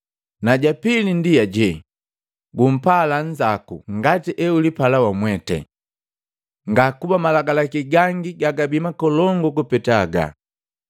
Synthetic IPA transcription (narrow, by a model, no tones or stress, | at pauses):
naɟapilindijaɟɛ | ɡum̩palaɲd͡ʒakṵŋɡatiʔɛulipalawamwɛtɛ̰ | ŋɡakubamalaɡalakiɡaŋɡiɡaɡabimakɔlɔŋɡɔkupɛtaɡa̰